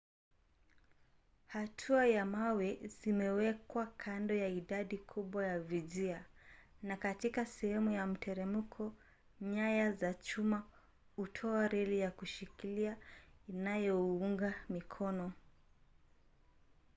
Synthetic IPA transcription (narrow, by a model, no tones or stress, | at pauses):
hatʰuajamawɛzimɛwɛkwakʰandɔjaiɗaɗikʰuɓwajavizianakatikasɛhɛmujam̩tʰɛɾɛmukʰɔ | ɲajazat͡ʃuma | utʰɔaɾɛlijakuʃikiliainajɔuŋɡamikʰɔnɔ